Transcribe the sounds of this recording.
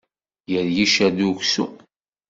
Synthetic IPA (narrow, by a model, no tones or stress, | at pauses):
jəɾjiʃæðuçsu